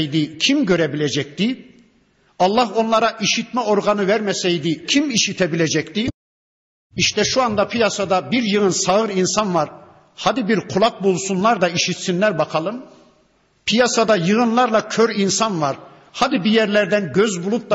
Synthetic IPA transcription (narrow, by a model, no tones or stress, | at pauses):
jd̪icʰimɟøɾɛbilʲɛd͡ʒɛc̚t̪i | ɑlˠːaɦo̞nlˠaɾaʔiʃit̪mɛo̞ɾɡanɯvæɾmɛsɛjd̪icʰimiʃit̪ʰɛbilʲɛd͡ʒɛct̪i | iʃt̪ʰɛʃuand̪apʰijasad̪abiɾjɯɣɯnsaɣɯɾinsanvaɾ | had̪ibiɾkʰulˠak̚bulˠsunlˠaɾd̪aiʃit̪sinlʲæɾbakʰalˠɯm | pʰijasad̪ajɯɣɯnlˠaɾlˠacʰøɾinsanvaɾ | had̪ibijɛɾlʲæɾd̪ænɟøzbulˠup̚d̪ˠa